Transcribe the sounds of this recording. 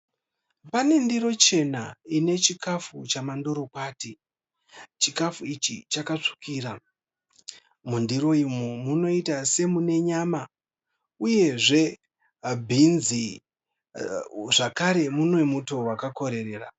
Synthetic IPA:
pane̞ndiro̞t͡ʃe̞naine̞t͡ʃikafut͡ʃamandoɾokwaːti | t͡ʃikafuit͡ʃḭt͡ʃakat͡ʂi̥kiːra | mundiɾo̞imomuno̞itase̞mune̞ɲama | uje̞ʐe̞ | bʱinzi | ʐakaɾe̞munwe̞muto̞wakako̞ɾe̞re̞ːra̰

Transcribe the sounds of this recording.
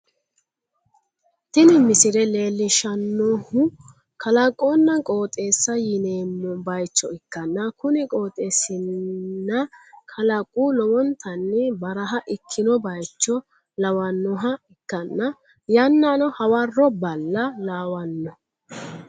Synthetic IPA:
t̪ɪnɪmɪsɪɾɛle̞ːlːɪʃɐnːoːhʊ | kʰɐlɐkʼːoːnːɐkʼo̞ːt̪ʼe̞ːsːɐjɪneːmːɔbɐjt͡ʃːɔɪkːɐnːɐkʊnɪkʼo̞ːt̪ʼeːsɪnːɐkʰɐlɐkʼːuːlɔwɔnt̪ʰɐnːɛbɐɾɐɦɐʔɪkʰːɪnɔbɐjt͡ʃːɔ | lɐwɐnːɔɦɐɪkːɐnːɐ | jɐnːaːnɔhɐwɐrːɔbɐlːɐlaːwɐnːɔ

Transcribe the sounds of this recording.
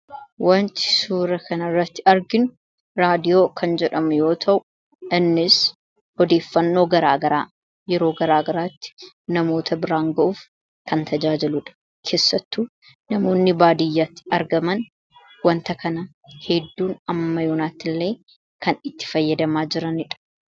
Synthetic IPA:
wɐnt̪ɪ̥suːɾɐkɐnɐrːɐt̪ːɪɐɾɡɪnʊ | ɾaːd̪ɪjo̞ːkʰɐnd͡ʒɛᶑɐmʊjo̞ːt̪ʰɐʔʊ | ʔɪnːɪs | hɔd̪e̞ːfːɐnːo̞ːɡɐɾaːɡɐɾaː | jɛɾo̞ːɡɐɾaːɡɐɾaːt̪ːɪ̥ | nɐmo̞ːt̪ʰɐbɪɾaːŋɡɐʔuːf | kɐnt̪ʰɐd͡ʒaːd͡ʒɪlʊᶑɐ̥ | kʰe̞ːsːɐt̪ːuː | nɐmo̞ːnːɪbaːd̪ɪjːaːt̪ːɪ̥ɐɾɡɐmɐn | wɐnt̪ɐkɐnɐ | hɛd̪ːuːnɐmːɐjoːnaːt̪ːɪlːe̞ː | kɐnɪt̪ːɪ̥fɐjːɐd̪ɐmaːd͡ʒɪɾɐnɪᶑɐ̥

